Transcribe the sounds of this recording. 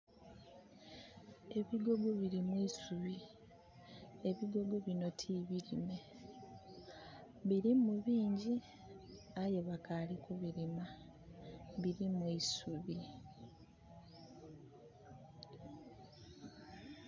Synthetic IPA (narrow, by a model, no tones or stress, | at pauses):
e̞βiɡo̞ɡo̞βiɾimwiisuβi | e̞βiɡo̞ɡo̞βino̞tʰiβiɾime̞ | βiɾimuβiːɲɟi | aje̞βakalikuβiɾima | βiɾimwiisuβi